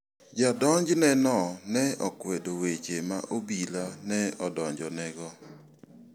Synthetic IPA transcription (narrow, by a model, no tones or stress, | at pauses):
d͡ʒadɔɲd͡ʒnɛnɔnɛɔkwedowet͡ʃema̰ʔobilanɛɔdɔɲd͡ʒɔnɛɡɔ